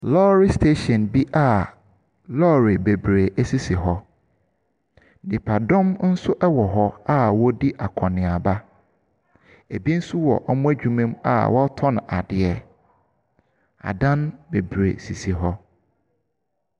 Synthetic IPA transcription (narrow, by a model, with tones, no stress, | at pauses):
lɔː˦ɾi˦stʰe˦ɕɛ̃˨nbi˦ʔa˦˨ | lɔ˦ɾi˨be˨bɾe˨æ˦si˦si˨ɦɔ˦ | dɪ˨pʰa˨dɔ̃˦mn̩˦sʊ˦ʔɛ˦wɔ˨ɦɔ˦a˦wɔ˦di˦ʔa˨kʰɔ̃˨nɪ̃˨a˨ba˦ | e˨bi˦n̩˦su˦wɔ̰˨ʔɔ˦mʊ̃˦æ˦d͡ʑᶣu˨mẽ˦ma̰˨wʔɔ˦tʰɔ˦ñ˨a˨dɪ˨ɛ˨ | a̰˨dã˦nbe˨bɾḛ˨si˨si˨ɦɔ˦